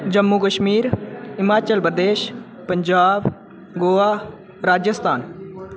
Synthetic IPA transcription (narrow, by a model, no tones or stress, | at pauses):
d͡ʒɐmːukəʃmiːɾɪmaːt͡ʃəlpɾəd̪eːʃ | pɐɲd͡ʒaːb | ɡoːaː | ɾaːd͡ʒjəst̪ʰaːn